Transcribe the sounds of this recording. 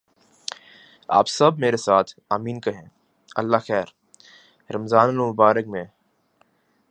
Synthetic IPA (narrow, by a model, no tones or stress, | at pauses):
a̰ːpsɐbmeːɾesaːt̪ʰaːmiːnkɐɦẽ | ɐlːaxɛːɾ | ɾɐmzaːnɐlmʊbaːɾəkmẽː